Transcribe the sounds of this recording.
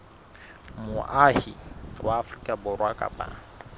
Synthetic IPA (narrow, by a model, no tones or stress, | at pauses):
mʊʔahiwaːfrikʼabʊrwakʼa̰pʼa̰